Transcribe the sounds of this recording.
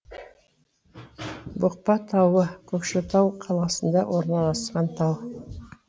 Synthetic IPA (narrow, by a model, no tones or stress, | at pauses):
bʊq̚pɑt̪ʰɑwəkʲʰɵkʃɪt̪ʰɑwqʰɑlˠɑsənd̪ɑwʔoɾnɑlˠɑsqɑnt̪ʰɑw